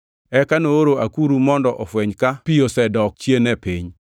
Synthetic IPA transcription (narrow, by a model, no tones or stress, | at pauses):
ɛkanooɾoakuɾumɔndɔʔɔfwɛɲkapijosɛdɔk̚t͡ʃjenɛpiɲ